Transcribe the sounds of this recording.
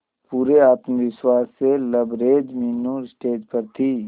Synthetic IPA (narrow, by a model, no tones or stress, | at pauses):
puːɾeaːt̪məʋɪswaːsːelɐbɾeːd͡ʒmɪnːuːɾsʈeːd͡ʒpɐɾt̪ʰiː